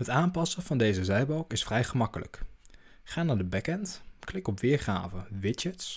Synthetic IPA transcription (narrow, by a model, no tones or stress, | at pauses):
ɦətaːmpɑsəvɑndejzəzɛjbɑlˠkɪsfrɛjχəmɑkələ̰k | χaːnaːɹdəbɛkɛntklɪkɔpʋɪːɹχa̰ːvəʋɪd͡ʒəts